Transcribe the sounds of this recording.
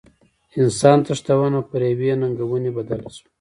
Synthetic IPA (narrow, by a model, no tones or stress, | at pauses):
ɪnsɑnt̪aʂt̪awanapəɾewenaŋɡawunebad̪alsu̥